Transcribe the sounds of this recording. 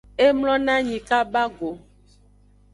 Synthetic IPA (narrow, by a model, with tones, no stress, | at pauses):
e˦mlɔ̃˦nã˦ɲĩ˨ka˦ba˦ɡo˨